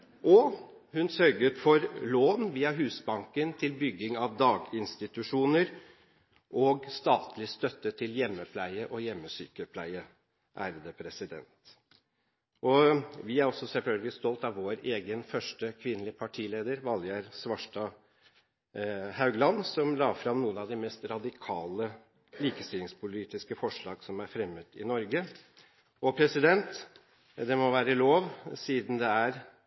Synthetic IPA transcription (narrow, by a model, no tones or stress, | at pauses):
ʔɔ | hʉnsœɾɡət̪fɔɾloːnʋiːɑɦʉːsbɑŋkənt̪ʰɪlbʏɡːɪŋɑʋd̪ɑːɡɪnst̪ɪt̪ʉʂuːnəɾ | ʔɔɡst̪ɑːt̪ʰlɪst̪œt̪ːət̪ʰɪljɛmːəpʰlæɪəʔɔjɛmːəsyːkəpʰlæɪə | ʔæːɾəd̪əpʰɾɛsɪd̪ɛ̰nt̪ | ʔɔʋɪæɾɔsɔsɛlfœlɡ̪ɡəɪst̪ɔlt̪ɑʋʋoːɾeːɡənfœʂʈəkʰʋɪnːəlɪpʰɑʈʰiːleːd̪əɾʋɑljəɾsʋɑʂʈɑ | hɑʉɡlɑnsɔmlɑːfɾɑmnuːənɑʋd̪ɪmɛst̪ɾɑd̪ɪkʰɑːlə | liːkəst̪ɪlɪŋspʰʊliːt̪ɪskəfɔʂɭɑːɡsɔmæɾfɾɛmːət̪ɪ̰nɔɾɡə | ɔpʰɾɛsɪd̪ɛnt̪ | d̪ɛmɔʋæːɾəloːʋsiːd̪nd̪ɛæɾ